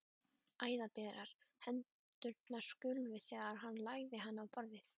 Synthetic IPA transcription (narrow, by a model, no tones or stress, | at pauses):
aːjðapɛːɾaɾ̥hɛnt̪ʏɾt̪nḁskʏlvɪθɛːɣaɾ̥ɦanːlaɣðɪɦanːawpɔɾðɪθ